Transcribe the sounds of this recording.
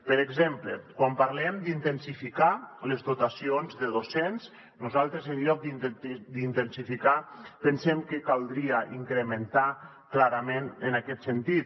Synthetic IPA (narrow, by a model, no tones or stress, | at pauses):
pəɾeɡzemplə̰kwampaɾlɛmd̪int̪ənsifikaləzd̪ot̪asionzðəðosens | nuzalˠt̪ɾezənʎɔk̚d̪ind̪int̪ənsifikapənsɛmkəkalˠd̪ɾiaʔiŋkɾəmənt̪a | klaɾamenənakɛt̪sənt̪it̪